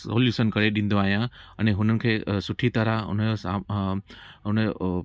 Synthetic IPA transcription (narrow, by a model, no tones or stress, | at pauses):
oːljuːʃənkɐɾeɗĩːnd̪oaːɦijãɛ̃ːẽɦʊnənɪ̆kʰeːsʊʈʰit̪ɐɾaʊ̰nəd͡ʑosa | ɦʊnəo